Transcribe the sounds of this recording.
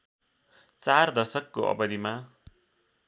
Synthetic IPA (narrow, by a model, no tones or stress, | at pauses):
t͡sard̪ʌrsʌkːoʔʌ̰bʌd̪ima